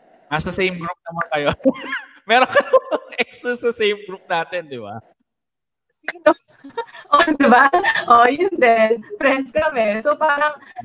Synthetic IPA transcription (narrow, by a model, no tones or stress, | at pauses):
ɐsɐsejmɡɾup̚nɐmɐnkɐjo | mɛːɾoŋkɐjoɐŋʔɛkst̪ɾɐsɐsejmɡɾup̚naːt̪ɪnd̪ɪba̰ | sino | ʔod̪ɪbaʔojɪnd̪ɛnfɾɛnskɐmɛsopaːɾɐŋ